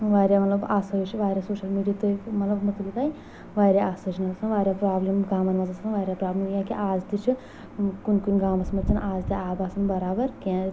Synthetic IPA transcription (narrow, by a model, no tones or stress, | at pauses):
ʋaːɾjaːmɐt̪lɐbaːsɐt͡ʃʰiʋaːɾʲjaːsoːʃɐlmiːɖijat̪ɨmɐt̪lɐbmɐt̪ʰlik̪aːj | ʋaːɾʲaaːsɐt͡ʃʰnɐzɐsɐnʋaːɾʲjaːpɾaːblɐmɡaːmɐnmɐzɐsɐnʋaːɾʲjaːpɾaːblɐmjãːkiʔaːzd̪it͡ʃʰi | kunkunɡaːmɐsmɐt͡ʃːɐnʔaːzd̪iaːbaːsɐnbɐɾaːbɐɾkãː